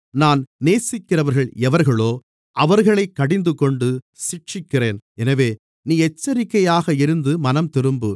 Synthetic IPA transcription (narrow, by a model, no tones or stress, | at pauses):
naːnneːsɪkːɪrɐʋɐɾɣɐɭɛʋɐɾɣɐɭoː | ʔɐʋɐɾɣɐɭɐɪkːɐɽɪnd̪ɯkɔɳɖɯ | sɪʈt͡ʃɪkːɪreːnɛnɐʋeː | niːɛt͡ʃːɐɾɪkːɐjaːɣɐɪɾɯnd̪ɯmɐnɐmt̪ɪɾɯmbɯ